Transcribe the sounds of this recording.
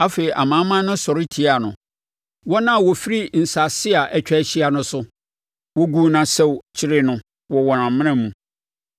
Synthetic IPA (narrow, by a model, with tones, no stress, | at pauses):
a˦fe˨i˨ʔa̰˨mã˨˦mã˦nʊ̃˦sɔ˨ɾɪ˦tʰi˨˦a˨nʊ̃˨ | wɔ˦nã˦˨wɔ˨fi˦ɾi˦n̩˨sa˨sɪ˦a˨ʔɛ˨t͡ɕᶣɛ˦˨ɕi˦a˨nʊ̃˦sʊ˦ | wɔ˦ɡu˦nã˨sɛ˦˨wt͡ɕʰɪ˦ɾɪ˦nʊ̃˦ | wɔ˨wɔ˨nã˨mmːɪ̃˦ñã˦mũ˨